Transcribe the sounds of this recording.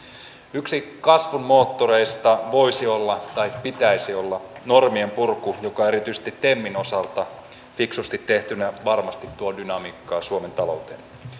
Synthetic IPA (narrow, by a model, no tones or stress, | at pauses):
yksikɑsʋunmo̞ːt̪ːoɾe̞jst̪ɑʋo̞jsio̞lːɑt̪ɑjppit̪æisio̞lːɑno̞rmiempurkujo̞kɑeɾit̪yise̥t̪it̪ːe̞mːino̞sɑlt̪ɑ | fiksust̪it̪ːe̞ht̪ynæʋɑrmɑst̪it̪ːuɑdynɑmiːkːɑːsuome̞nt̪ɑlo̞̰wt̪en